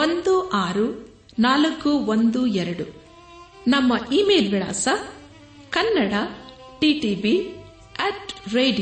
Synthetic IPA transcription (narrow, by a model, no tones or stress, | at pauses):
ond̪uʔaːɾu | naːlɐkːuʋond̪uɛɾɐɽu | nɐmːɐʔiːmeːlʋiɭa̰ːsɐ | kɐnːɐɽɐ | ʈiːʈiːbi | eʈɾeːɖi